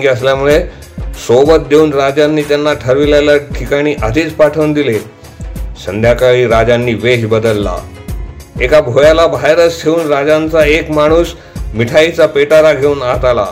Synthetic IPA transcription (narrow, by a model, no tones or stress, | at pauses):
ɡeəs̬ljamuɭe | sobət̪̚d̪euːnɾad͡ʑanːiːt̪janːaʈʰəɾʋiljaljaʈʰikaɽ̃iːʔad̪ʱiːt͡spaʈʰəund̪ile | sənd̪ʱjakaɭiːɾad͡ʑanːiːʋeɦbəd̪əlːa̰ | ekabʱojalabʱajɾət͡stʰeuːnɾad͡ʑãnt͡saekmaɽ̃uːs | miʈʰait͡sapeʈaɾaɡʱeuːnat̪ala̰